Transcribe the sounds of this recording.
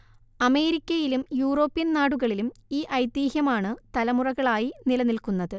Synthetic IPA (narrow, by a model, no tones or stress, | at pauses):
ɐme̞ːɾikʲːɐjilumjuːro̞ːpːijɐnnaːɽuɣɐɭilumiːʔɐjt̪iːhjɐmaːɳɨt̪ɐlɐmurɐɣɐɭaːjinilɐnilkunːɐðɨ